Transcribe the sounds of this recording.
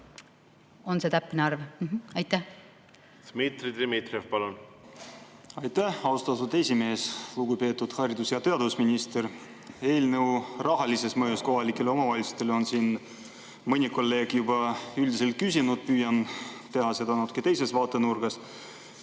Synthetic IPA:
o̞nset̪æpːineɑrvɑjt̪ːˑæh | smit̪rid̪emit̪ɾʲevpɑlun | ɑjt̪æhɑwst̪ɑt̪ud̪e̞sʲime̞ːsluɡ̥upe̞ːt̪ːˑud̪̥hɑrid̪usjɑt̪e̞ɑd̪vusminʲist̪e̞r | e̞ːlnewrɑɦɑlise̞smɤjusko̞ɦɑlike̞lo̞mɑvɑlʲisu̥t̪e̞lo̞nsiːn | mɤnʲiko̞lːe̞ːɡ̥jub̥ɑyld̪is̬e̞lt̪̚kysʲinud̪̥̚pyːjɑnt̪e̞ɦɑse̞d̪ɑnɑt̪ːˑu̥kːˑet̪e̞jse̞svɑːt̪ːˑe̞nurɡ̥ɑs

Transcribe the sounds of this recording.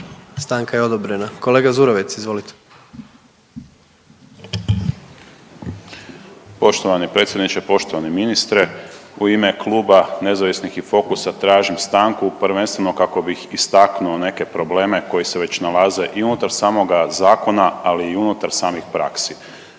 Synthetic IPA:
st̪aŋkajeo̞d̪obɾenako̞leːɡazuɾoʋit̪sizʋo̞lit̪e̥ | po̞ʃt̪o̞ʋanipɾe̞t̪sjed̪nit͡ʃepo̞ʃt̪o̞ʋaneminist̪ɾe̞uime̞klˠuːbane̞zaʋisnixifo̞kusat̪ɾaːʒimst̪aːŋkupɾʋe̞nst̪ʋe̞no̞kako̞bixist̪aknuo̞ne̞ke̞pɾo̞ble̞ːme̞ko̞jiseʋe̞t͡ɕnalaze̞ʔiunut̪aɾsaːmo̞ɡazaːko̞naaliːunut̪aɾsaːmixpɾa̰ksi

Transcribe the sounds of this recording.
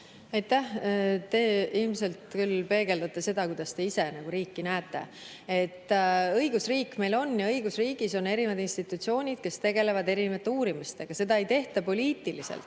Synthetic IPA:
ɑjt̪ːæht̪e̞ːilmse̞lt̪kylpe̞ːɡe̞ld̪̥ɑt̪ːˑese̞d̪̥ɑkujd̪̥ɑst̪e̞ise̞nɑɡ̥uɾiːkːinæːt̪ːˑe̞̰ | et̪ːˑɤjɡ̥usriːkːme̞jlo̞nːjɑɤjɡusriːɡ̥iso̞ne̞ɾivɑd̪inst̪it̪ːˑut̪sio̞ːnʲid̪̥̚ke̞st̪e̞ɡe̞le̞vɑd̪e̞ɾinevɑt̪ːˑeuːɾimist̪e̞ɡ̥ɑse̞d̪ɑe̞jt̪e̞ht̪ɑpo̞liːt̪ːˑilisḛlt̪ːˑ

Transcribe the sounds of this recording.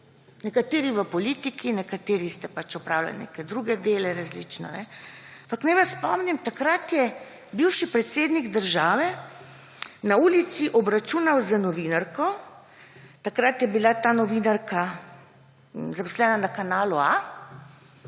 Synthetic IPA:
nɛkat̪eːɾiʋəpɔliːt̪ikinɛkat̪eːɾist̪ɛpat͡ʃɔpɾaːwla̰lnḛːkɛd̪ɾuɡɛd̪eːlɛɾazlḭt͡ʃnɔ̰nɛ | ampaknajʋassːpɔmnimt̪akɾat̪jɛ | biwʃipɾɛt̪seːd̪niɡd̪əɾʒaːʋɛ | nauːlit̪siʔɔbɾat͡ʃuːnawzanɔʋiːnaɾkɔ | t̪akɾat̪jɛbilat̪aːnɔʋinaɾka | zapɔ̥slɛːnanakanaːlua

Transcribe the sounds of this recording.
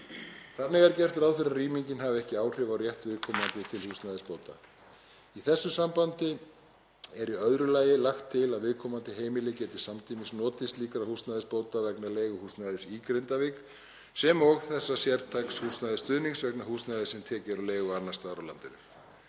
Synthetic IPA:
θanːɪɣɛɾcɛr̥t̪ɪɾaːwfɪɾaðriːmiɲcɪnhavʏɛhcɪaːwr̥ɪvawrjɛht̪vɪðkʰɔːmant̪ɪt̪ʰɪlhust̪naðɪspoːwt̪a̰ | iθɛsːʏsampant̪ɪ | ɛɾiœðɾʏlaːjɪlaxt̪ʰːɪlaðvɪðkʰɔːmant̪ɪɦeːjmɪlɪcɛːt̪ɪ̥samt̪ʰiːmɪsnɔːt̪ɪst̪liːkɾahusnajðɪspoːwt̪avɛknaleːjɣʏhust̪naðɪsikɾent̪avɪk | sɛmɔɣθɛsːasjɛɾt̪ʰakshust̪najðɪst̪ʏðniŋsvɛknahuːstnajðɪsɛmt̪ʰɛːcɪɾawleːjɣʏanːḁst̪aɾawla̰nt̪ɪnʏ

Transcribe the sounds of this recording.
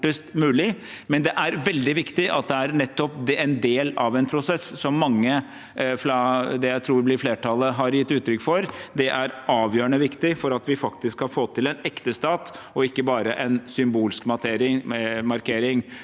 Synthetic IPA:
ʈəst̪mʉːlɪ | mɛnd̪ɛʔæɾʋɛld̪ɪʋɪkt̪ɪʔɑ̰t̪̚d̪ɛæɾnɛt̪ːɔp̚d̪ɛɛnd̪eːlɑʋɛnpʰɾʊsɛssɔmːɑŋːə | fɾɑd̪ɛjæɪt̪ʰɾuːɾʋblɪɾfleːʈʰɑlːəɦɑɾjɪt̪ːʉːt̪ːɾʏkːfɔɾd̪ɛʔæɾʔɑːʋjøːɾəɳəʋɪkt̪ɪfɔɾɑt̪ʋɪfɑkt̪ɪskhɑfoːt̪ʰɪlɛnɛkt̪əst̪ɑːt̪ɔɪkːəbɑːɾəʔɛnsʏmbuːlskmɑt̪ʰeːɾɪŋmɑɾkʰeːɾɪŋ

